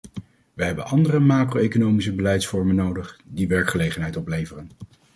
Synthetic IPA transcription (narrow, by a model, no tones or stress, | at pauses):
ʋəɦɛbənʔɑndərəmaːkroejkonowmisəbəlɛjtsfɔɹmənːowdəχdiʋɛɹkχəlejχənɦɛjtɔplejvərən